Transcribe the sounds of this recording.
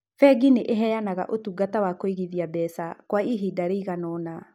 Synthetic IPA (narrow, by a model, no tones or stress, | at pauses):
fɛɡineʔeɦɛjanaɣa̰ʔotuɡatawakoiɣiðiabɛsakwaiɦidaɾeiɣanɔna